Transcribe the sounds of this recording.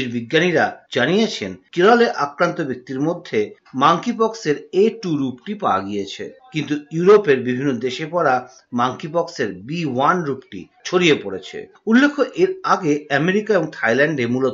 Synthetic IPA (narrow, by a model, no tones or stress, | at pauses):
iɾbiɡːaniɾad͡ʑanijet͡ɕʰenkiɾaleʔakɾant̪obek̚t̪iɾmod̪ʱːe | maŋkipɔkseɾeʈuɾupʈipaaɡijet͡ɕʰḛkint̪ujuɾopeɾbibʱinːod̪eʃepɔɾa | maŋkipɔkseɾbiwanɾupʈḭ | t͡ɕʰoɽijepoɽet͡ɕʰḛ | ulːekʰoʔeɾaɡeɛmeɾikaeboŋt̪ʰajlɛɳɖeɾmulot̪